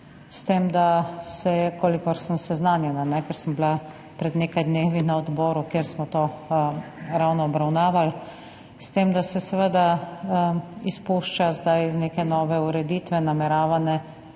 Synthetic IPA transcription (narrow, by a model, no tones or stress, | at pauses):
st̪emd̪asɛkoːlikɔɾsəmsɛznaːnjɛnanɛkɛɾsəmbla | pɾɛd̪neːkajd̪neːʋinaɔd̪bɔːɾukjeːɾsmɔt̪oː | ɾawnɔːbɾawnaːʋal | st̪emd̪asɛsɛʋəd̪a | ispuʃt͡ʃazd̪ajizneːkɛnɔːʋɛuɾɛd̪iːt̪ʋɛnamɛɾaːʋanɛ